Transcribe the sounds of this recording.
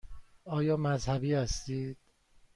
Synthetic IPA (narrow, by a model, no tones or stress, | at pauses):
ɒːjɒːmæzhæbiːhæst̪iːd̪̥̚